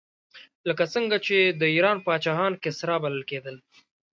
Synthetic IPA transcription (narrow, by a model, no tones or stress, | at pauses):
ləkat͡səŋɡat͡ʃed̪əiɾɑnpəɑt͡ʃɑɦɑnkɪsɾɑbaləlked̪əl